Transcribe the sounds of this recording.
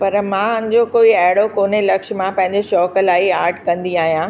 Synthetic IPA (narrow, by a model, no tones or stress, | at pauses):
pɐɾmãːʊnɪ̃d͡ʑokoːiɛɦɪɽokoːnelɐkʃmãpɐ̃ɦɪ̃ɲd͡ʑeʃɔːkəlaːiaːɾʈkɐ̃nd̪iaːɦijãː